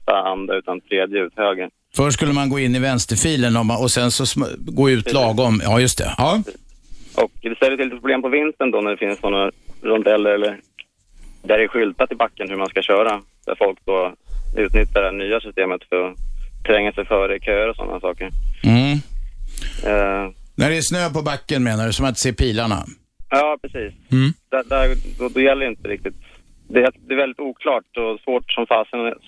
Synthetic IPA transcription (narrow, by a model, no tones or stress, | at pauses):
t̪aand̪aʉ̟ːt̪ant̪ʰɾeːd̪jəʉːt̪høːɡə | fœʂskɵlːəmanɡoːɪnːɪvɛnst̪əɾfiːlənɔmɔsɛnsɔsɡoːʉ̟ːt̪ʰlɑːɡɔmɑːjɵst̪ʰɛ̰ʔɑː | ʔɔ̰kd̪ɛsɛjːɾəɪlːɪt̪əpɾʊbleːmpɔvɪnst̪ənd̪ɔnæɖɛfɪnssɔnːaɾɔnd̪ɛlːəɾɛlːəɾ | d̪æɾɛɧʏlt̪at̪ɪbakːənhɵɾmanskaɕœːɾa | d̪̥æ̰ɾfɔlk̚d̪ɔʉ̟ːt̪nʏt̪ʰːad̪ænyːasʏst̪eːmət̪fœɾɔt̪ʰɾɛŋːasɛjfœːɾəkʰøːəɾɔsɔ̰nːʔa̰sɑːkəɾ | nʔæɖɛæʂnøːpɔbakːənmeːnaɖɵsɔmat̪seːpʰiːlaɳa̰ | jɑːpʰɾɛsiːsm̩ːd̪̥æd̪æɾd̪ɔd̪ɔjɛlːɾjɪnt̪əɾɪk̚t̪ɪt̪ | d̪ɛd̪ɛːvɛlɪt̪uːkʰlɑːʈɔsvoːʈsɔmfɑːsən